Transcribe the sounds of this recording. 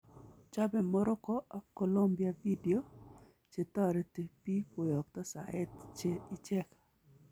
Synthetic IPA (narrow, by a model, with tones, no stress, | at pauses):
t͡ʃa˦bɛ˨mɔ˦ɾɔ˦kɔ˦a˨ko˨lo˦mbja˨vi˦di˨o˦ | t͡ʃe˨t̪ɔ˦ɾɛ˨te˨pi˦ko˨jɔ˨k̚t̪ɔ˦sa̰˨ɛ˦t̪t͡ʃe˦i˦t͡ʃɛ˦k